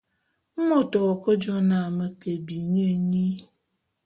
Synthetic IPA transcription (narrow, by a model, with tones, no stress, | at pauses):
m̩˦mo˦tɔ˨kə˦d͡ʒɔ˦na˨mə˦ke˨bi˨ɲe˦˨ɲi˦